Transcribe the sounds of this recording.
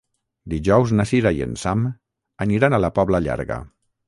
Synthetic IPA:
d̪iʒɔwznasiɾajḛnsam | aniɾanalapɔβlaʎa̰ɾɣa̰

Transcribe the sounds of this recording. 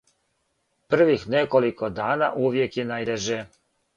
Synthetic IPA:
pr̩ʋixnekolikod̪aːnaʔuʋjekjenajd̪eʒe

